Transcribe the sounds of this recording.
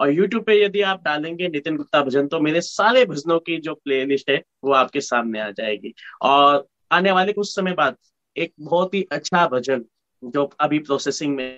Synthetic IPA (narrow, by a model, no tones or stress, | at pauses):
ɔːɾjuːʈjuːb̚pejɐd̪iaːp̚ɖaːlẽːŋɡenɪt̪ɪnɡʊt̪ːabʱɐd͡ʒənt̪omeːɾesaːlebʱɐznõkid͡ʒoːpleːlɪʃʈɦɛ | ʋoaːp̚kesaːmneaːd͡ʒa̰ːḛːɡiːɔːɾ | aːneʋaːlekʊsːɐməjbaːd̪̚ | eːk̚bɔːt̪ɦiʔɐtːʃʰabʱɐd͡ʒən | d͡ʒoːɐbʱipɾɔːsɛːsɪ̃ŋɡmẽ